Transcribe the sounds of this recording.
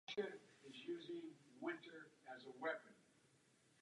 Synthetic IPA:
ʃɨɨzjʉzɪ̃ŋwɪ̃ntə˞ɨzəwɛpɨ̃n

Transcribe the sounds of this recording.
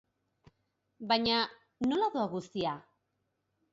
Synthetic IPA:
baɲa | nolaðoaɣust̪ia

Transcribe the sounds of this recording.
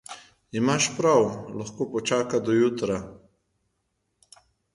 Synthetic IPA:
imaʃpɾawlaxkoːpɔt͡ʃaːkad̪ɔjut̪ɾa

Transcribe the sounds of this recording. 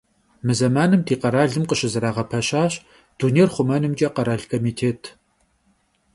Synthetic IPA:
mɨzɐmaːnɨmtʰiːqɐɾaːɮɨmqəɕɪzɨɾaːʁɐpʰɐɕaːɕ | d̥uːnejrχʷʊmɐnɨmt͡ʃʼɐqɐɾaːɮkʰomiːtʰeːtʰ

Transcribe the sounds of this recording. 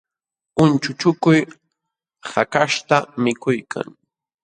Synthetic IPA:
ʊnt͡ʃʊt͡ʃʊkʊj | hakaʃt̪amɪkʊjkʰa̰ŋ

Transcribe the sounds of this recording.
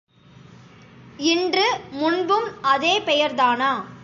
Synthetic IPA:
ɪndrɯmʊnbɯmɐðeːpɛjɐɾðaːnaː

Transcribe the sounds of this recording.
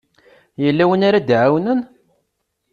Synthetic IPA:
jəlːæwənaɾad̪ʕawnən

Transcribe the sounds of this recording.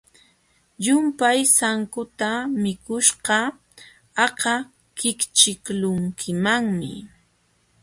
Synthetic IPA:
ʎʊmpajsaŋkʊt̪amɪkʊʃɢɑ | ɑqɑ | kɪkt͡ʃɪklʊŋkʰɪmaŋmɪ̰

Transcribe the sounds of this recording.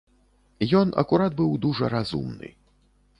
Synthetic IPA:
jɔnʔɐ̰kuɾat̪bɨwd̪uʐɐɾazṵmnɨ̰

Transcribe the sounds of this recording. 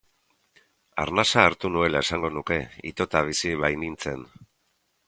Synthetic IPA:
a̰ɾnasaːɾt̪unue̞lae̞saŋɡo̞nuke̞ḭt̪o̞t̪aβ̞isiβajnint͡se̞̰n

